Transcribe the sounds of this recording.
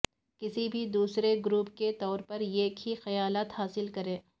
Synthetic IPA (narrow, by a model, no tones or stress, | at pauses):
kɪsibʱid̪uːsɾeɡɾuːpket̪ɔːɾpɐɾeːkhixɐjaːlaːt̪haːsɪlkɐɾẽː